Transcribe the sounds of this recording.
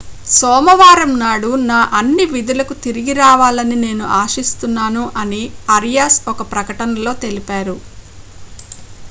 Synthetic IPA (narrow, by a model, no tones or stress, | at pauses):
sɔːmɐʋaːɾɐmnaːɽunaːʔɐnːiʋid̪ulɐkut̪iɾiɡiɾaːʋaːlɐnine̞ːnuʔaːʃist̪unːaːnuʔɐniɐɾijaːsɔkɐpɾɐkɐʈɐnɐlo̞ːt̪e̞lipaːɾu